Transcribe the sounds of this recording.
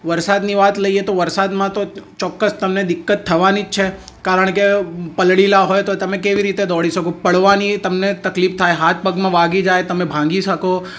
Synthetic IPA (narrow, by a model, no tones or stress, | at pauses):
ʋəɾsad̪niʋat̪ləijet̪oʋəɾsad̪mãt̪ot͡ʃɔkːəst̪əmned̪ɪkːət̪ʰːəʋanid͡ʒt͡ʃʰe | kaɾəɳ̃kepəlɽilaɦojt̪ot̪əmẽkeʋiɾit̪ed̪ɔɽiʃəkopəɭʋanit̪əmnet̪əklift̪ʰajɦat̪̚ʰpəɡmãʋaɡid͡ʒajt̪əmebʱãŋɡiʃəko